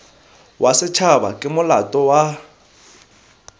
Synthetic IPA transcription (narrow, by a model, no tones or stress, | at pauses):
wʔasɪt͡ʃʰaba̰kʼɪmʊlatʼɔwa